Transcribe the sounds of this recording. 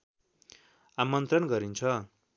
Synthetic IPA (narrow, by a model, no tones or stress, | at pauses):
amʌnt̪rʌnɡʌɾint͡sʰʌ